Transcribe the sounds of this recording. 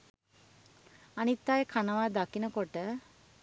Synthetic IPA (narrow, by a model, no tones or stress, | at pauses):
anit̪ːaːjekʰanəʋaːd̪akinəkoʈə